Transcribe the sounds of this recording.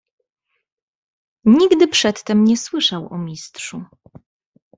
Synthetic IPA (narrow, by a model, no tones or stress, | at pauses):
ɲiɡd̪ɘpʂɛt̪ːɛmɲɛswɘʂawɔ̰mʲistʂu